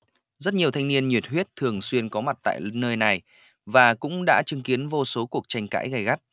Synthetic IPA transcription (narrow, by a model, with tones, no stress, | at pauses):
zə˦˥t̚ɲi˨˩əwt̪ʰa˧ŋni˧ənɲwi˨˩ət̚ɦwi˦˥ət̚t̪ʰɨ˨˩əŋswi˧ənkɔ˨˦ma˨˩t̚t̪a̰ː˧˨jnəː˧jna˨˩j | vaː˨˩kʊ̰˧˥ŋ͡mɗa̰ː˧˥t͡ɕɨ˨˦ŋki˨˦ənvo˧so˨˦ku˨˩ək̚t͡ɕa˧jŋ̟ka̰ː˧˥jɣa˧˩jɣa˦˥t̚